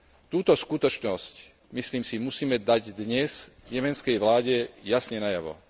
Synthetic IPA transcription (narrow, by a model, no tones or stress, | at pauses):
t̪uːt̪ɔskut̪ɔt͡ʃnɔsc | misliːmsimusiːmɛd̪aɟd̪ɲɛzɲɛmɛnt͡skɛjʋlaːɟɛjasɲɛnajaʋɔ̰